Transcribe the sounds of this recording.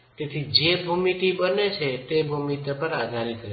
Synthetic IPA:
t̪et̪ʰid͡ʒebʱumit̪ibənet͡ʃʰet̪ebʱumit̪apəɾad̪ʱaɾikəɾ

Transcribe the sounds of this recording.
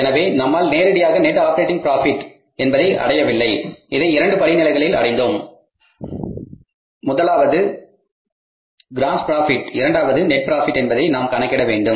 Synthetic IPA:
ɛnɐʋeːnɐmːaːlneːɾɪɽɐɪjaːɣɐnɛʈːaːpɐɾeːʈ̬ːɪŋpɾaːfɪʈː | ɛnbɐðɐɪʔɐ̰ɽɐjɐʋɪlːɐɪɪðɐɪɪɾɐɳɖɯpɐɭɪnɪlɐɪɣɐɭɪlɐ̰ɽɐɪnd̪oːm | mʊðɐlaːʋɐðɯ | ɡɪɾaːnspɾaːfɪʈːɪɾɐɳɖaːʋɐðɯnɛʈ̚pɪɾaːfɪʈːɛnbɐðɐɪnaːmkɐɳɐkːɪɽɐʋeːɳɖɯm

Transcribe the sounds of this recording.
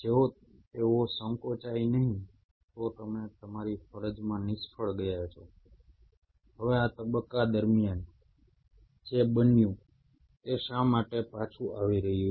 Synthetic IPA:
d͡ʒeo | t̪eʋosəŋkot͡ʃainəɦĩ | t̪ot̪əmet̪əmaɾifəɾəd͡ʒmãnɪsfʰəɭɡəjat͡ʃʰo | ɦəʋeat̪əbəkːad̪əɾmijan | d͡ʒebənjũ | t̪eʃamaʈepat͡ʃʰũʔaʋiɾəɦiju

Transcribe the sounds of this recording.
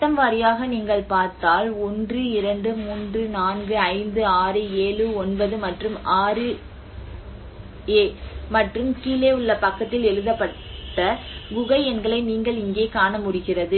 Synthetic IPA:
t̪ːɐmʋaɾɪjaːɣɐniːŋɡɐɭpaːɾt̪aːlɔndrɯɪɾɐɳɖɯmuːndrɯnaːnɡɯɐɪnd̪ɯaːɾɯeːɻɯɔnbɐðɯmɐʈrɯmaːɾɯ | eːmɐʈrɯmkiːleːʊɭːɐpɐkːɐt̪ːɪlɛɻɯðɐpːɐ | ʈːɐʋʊɣɐɪɛnɡɐɭɐɪniːŋɡɐɭɪŋɡeːkaːnɐmʊɽɪɣɪrɐðɯ

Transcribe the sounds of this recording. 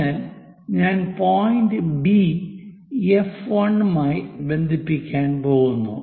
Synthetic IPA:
aːl | ɲaːnpoːjindɨbi | efʋɐɳːmaːjibe̞nd̪ʱipːikʲːaːnpoːɣunːṵ

